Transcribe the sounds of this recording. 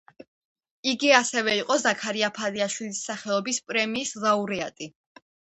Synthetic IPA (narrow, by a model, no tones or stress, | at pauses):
iɡiasɛvɛiqʼɔzakʰaɾiapʰaliaʃwilisːaχɛɔbispʼɾɛmiːslˠauɾɛat̪ʼi